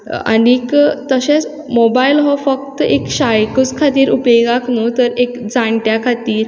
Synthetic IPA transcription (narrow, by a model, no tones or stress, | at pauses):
a̰nikt̪əɕẽt͡s | mobajlɦɔfək̚t̪ekɕajkut͡skʰat̪iːɾupeɡaknut̪əɾekd͡zaɳʈjakʰat̪iːɾ